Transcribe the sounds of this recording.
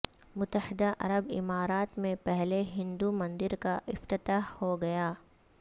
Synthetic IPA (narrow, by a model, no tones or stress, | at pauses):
mʊt̪ːəhɪd̪aʔɐ̰ɾəbɪ̰maːɾaːt̪mẽpɛɦleɦɪ̃nd̪umɐ̃nd̪ɪɾkaʔɪft̪ɪt̪aːɦhoɡɐjaː